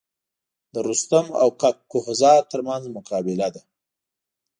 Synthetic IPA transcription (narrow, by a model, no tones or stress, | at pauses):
d̪əɾust̪ama̰wkakːʊhzɑt̪əɾmanzmʊqɑbɪlad̪a